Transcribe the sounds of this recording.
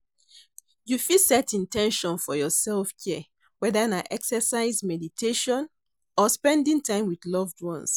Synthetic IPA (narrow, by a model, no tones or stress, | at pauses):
jufisɛtĩntʰɛ̃nʃɔ̃nfɔjɔsɛlfkʰɛ | wɛdanaʔɛksəsaɪzmɛditʰeʃɔ̃n | ɔspɛ̃ndĩŋtʰãɪ̃mwidlɔvdɹɔ̃ns